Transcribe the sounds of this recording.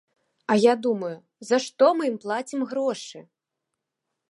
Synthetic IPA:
ɐjad̪umɐju | zɐʂt̪ɔmɨmplˠat͡sʲimɣɾɔʂɨ

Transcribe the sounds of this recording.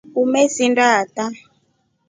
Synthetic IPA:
umesindata

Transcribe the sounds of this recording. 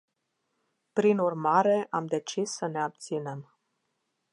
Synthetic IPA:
pɾinurmaɾe̞ʔamd̪e̞t͡ʃisːəne̞ab̚t̪sine̞m

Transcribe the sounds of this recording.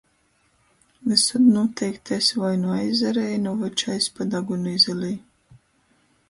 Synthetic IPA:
lɨsad̪nuɔt̪ʰɛjkt̪ʰɛsʲvajnuajzɛɾɛjnɔvat͡ʃajspad̪aɡunizɛlʲiː

